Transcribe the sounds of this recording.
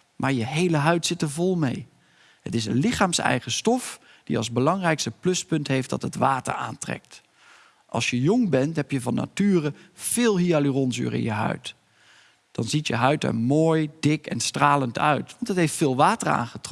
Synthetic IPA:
mʔaːɹjəɦejləɦœɥtsɪtəɹvɔlˠmej | hətɪsənlɪχaːmsɛ̰jχəstɔf | d̥iɑ̰lˠzbəlɑŋrɛjkstəplɵspɵntɦejfdɑ̰tɦətʋaːtə̰ɹa̰ːntrɛ̰k̚t | ʔɑ̰lˠsjəjʊŋbɛntɦɛpjəvɑnːa̰tyːrəv̥ɪːlˠɦialyrɔnzy̰ːɾɪ̰njəɦœ̰ɥt | d̥ɑnzitjə̰ɦœɥtə̰moːjdɪkɛ̰nstraːləntʰœ̰ɥtʋɑntətɦejftfɪːlˠʋaːtəra̰ːnχətɔ

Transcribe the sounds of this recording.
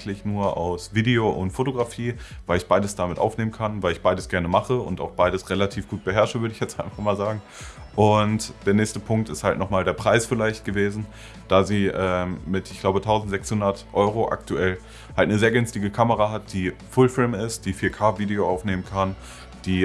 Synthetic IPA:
tʰlɪçnuːɐʔa̰ʊsv̥iːdeoʔʊ̰ntfotoɡʁafiːvaɪlɪçb̥aɪdəsd̥amɪtʔa̰ʊfneːmənkʰanvaɪlɪçb̥aɪdəsɡ̥ɛɐnəmaχəʊ̰nta̰ʊxb̥aɪɾəsʁelatʰiːfɡ̥uːt̚b̥əɦɛɐʃəvʏɐɾəɪçjɛt͡stʔaɪnfaχmaːlzaːɡŋ̩ | ʔʊntd̥eːɐnɛːçstəpʰʊŋk̚tɪsthaltnɔχmaːldeːɐpʁ̥aɪsfɪlaɪçtɡ̥əveːzn̩ | d̥aːziːʔɛːmːɪtʔɪçɡ̥laʊbətʰaʊzn̩tz̥ɛkshʊndɐtʔɔʏʁoʔa̰ktʰuʔɛl | haltnəzeːɐɡʏnstɪɡəkʰaməʁaɦat̚d̥iːfʊlfɪlmɪst̚d̥iːfiːɐkʰaːviːdeoaʊfneːmənkʰan | d̥iː

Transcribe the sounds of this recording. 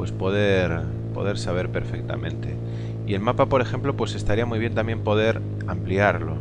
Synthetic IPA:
pwe̞spo̞ð̞eɾ | po̞̰ðe̞ɾsaβ̞e̞ɾpe̞ɾfek̚t̪a̰mʔẽ̞̰nt̪e̞̰ | ie̞lmapapo̞ɾe̞xẽ̞mplo̞pwe̞se̞st̪aɾiamwujβ̞je̞nt̪amje̞mpo̞ðe̞ɾ | ampliaɾlo̞̰

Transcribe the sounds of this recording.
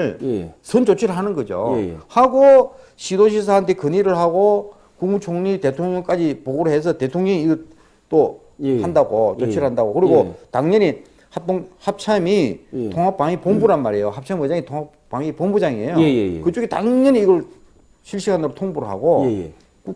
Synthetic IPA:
ɭsʰɯnt͡ɕot͡ɕʰiɾɯɭɦanɯnɡʌd͡ʑo̰haɡo | ɕʰidoɕ̬ʰis̬ʰaɦantʰe̞kɯɲiɾɯɭɦaɡo | kuŋmut͡ɕʰoŋɲite̞t̪ʰoŋɲʌŋk͈ad͡ʑipoɡoɾoɦe̞s̬ʰʌte̞t̪ʰoŋɲʌŋiːɡʌɭ | t͈o | handaɡot͡ɕot͡ɕʰiɾɭɦandaɡokɯɾiɡotaŋɲʌɲi | hatoŋhap̚t͡ɕʰamitʰoŋɦap͈ːaŋipombuɾanmaɾejohap̚t͡ɕʰamkeɲd͡ʑaŋit̪ʰoŋapp͈ːaŋipombud͡ʑaŋiejokɯt͡ɕ͈uɡitaŋɲʌɲiːɡʌɭ | ɕʰiɭɕ͈iɡanɯɾotʰoŋbuɾɯɭɦa̰ɡo | ku

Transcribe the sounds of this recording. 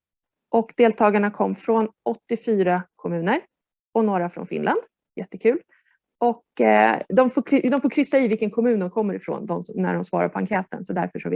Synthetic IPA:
ʔɔkd̪eːlt̪ʰɑːɡaɳakʰɔmːfɾonɔt̪ːɪfyːɾakʰɔmʉ̟ːnəɾ | ɔnoːɾafɾɔ̰nfɪ̰nlʔa̰nd̪ | jɛt̪ːəkʰʉ̟ːl | ʔɔkd̪ɔmfoːd̪ɔmfoːkʰɾʏsːaɪvɪlkənkʰɔmʉ̟ːnd̪ɔmkʰɔmːəɾɪfɾo̰ːnd̪ɔmsːæ̰ɖɔmsvɑ̰ːɾa̰ɾpʰɔaŋkʰɛːt̪ə̰nsɔd̪æɾfəʂɔvɪ

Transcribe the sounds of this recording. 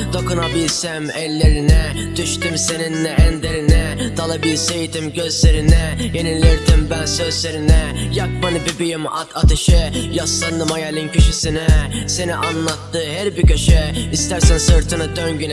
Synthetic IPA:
d̪̥o̞kunabilʲsɛmɛlʲːe̞ɾinɛ | d̪̥yʃt̪ymse̞ninlɛʔɛnd̪eɾinɛd̪alˠabilsejid̪imɟøzleɾinɛjenilʲeɾd̪imbænsø̞zleɾinɛ | jak̚manɯbibijima̰t̪ʰat̪ʰɯʃɯjaslˠaɾnɯmajalʲincʰyʃisinɛse̞niʔanlˠat̪ːɯːɦæɾbicʰøʃɛist̪ʰæɾsænsɯɾt̪ʰɯnɯd̪øɲɟyn

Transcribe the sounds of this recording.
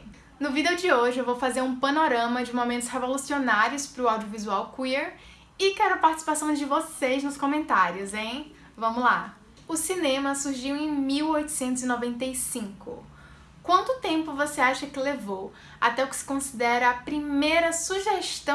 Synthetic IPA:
nʊvid̪ewd͡ʒɪoʒɪewvowfazeɾũpɐnoɾɐ̃mɐd͡ʒɪmomẽnt̪ʊ̥shevolusionaɾjʊspɾʊawd͡ʒiovizuawkwiɾ | ɪkɛɾʊɐpaɾt͡ʃisi̥pasɐ̃w̃d͡ʒɪvoseznʊskõmẽnt̪aɾjʊzẽ | vɐ̃mʊla̰ | ʊsinẽmɐsuɾʒiwẽj̃miwojt̪ʊ̥sẽnt̪ʊzɪnɔvẽnt̪ejsĩkʊ̰ | kwɐ̃nt̪ʊt̪ẽmpʊvoseaʃɐkɪlevow | at̪ɛʊkɪ̥sɪ̥kõsid̪ɛɾɐːpɾimejɾɐsuʒeʃt̪ɐ̃

